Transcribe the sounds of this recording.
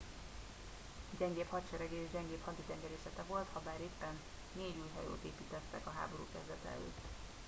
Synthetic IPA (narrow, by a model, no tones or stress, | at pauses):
ɟɛŋɡeːphɒt̪ʃɛɾɛɡeːʒɟɛŋɡeːphɒd̪id̪ɛŋɡɛɾeːsɛt̪ɛvo̞lt̪hɒbaːɾeːpːɛnː | eːɟuːjɦɒ̰jo̰ːt̪eːpiːt̪ɛt̪ːɛkɒɦa̰ːbo̞ɾṵːkɛzd̪ɛt̪ɛɛ̰lø̰ːt̪ː